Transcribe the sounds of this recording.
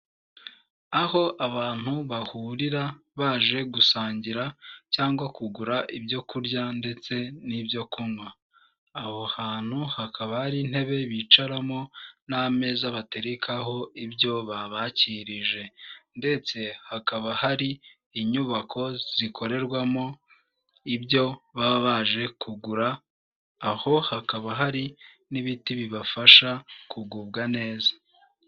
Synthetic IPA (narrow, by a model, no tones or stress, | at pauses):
aho̞ʔaβaːn̥huβahuːɾiɾa | βaːʒe̞ɡusaːɲɟiɾacaːŋɡwakuɡuɾaʔibɟo̞kuɾɟande̞t͡se̞nibjo̞kʰumwaː | hohaːn̥huhakaβahaɾin̥he̞βe̞βit͡ʃaɾamo̞name̞zaβate̞ɾikʰaɦo̞ibjo̞βaβaːciɾiʒe̞nde̞t͡se̞hakaβahaɾiː | ɲuβakʰo̞z̥ikʰo̞ɾe̞ɾɡwamo̞ | ibjo̞βaβaʒe̞kʰuɡuɾaː | ho̞hakaβaɦaɾi | niβitiβiβafaʃakʰuɡuːb̚ɡane̞ːzḁ